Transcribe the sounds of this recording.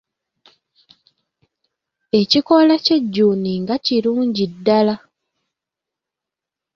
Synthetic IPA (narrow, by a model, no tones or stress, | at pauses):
e̞ciko̞lace̞ɟːuːniŋɡaciɾuːɲɟidːala